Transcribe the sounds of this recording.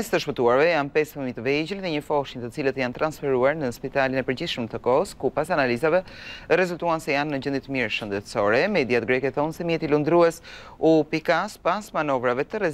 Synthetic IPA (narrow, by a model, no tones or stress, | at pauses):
ɛst̪əʃpət̪uaɾvɛjanpɛsmit̪əvɛd͡ʑəlðɛɲəfɔʃiɲt̪ət͡silət̪jant̪ɾansfɛɾuaɾnəspit̪alinɛpəɾd͡ʑiθʃəmət̪əkɔskupasanalizavɛrɛzult̪uansɛjanːəd͡ʑənd̪it̪əmiɾʃənd̪ɛt̪sɔɾɛmɛd̪iat̪ɡɾɛkɛθɔnsɛmjɛt̪ilund̪ɾuɛs | upikaspasmanɔvɾavɛt̪əɾɛ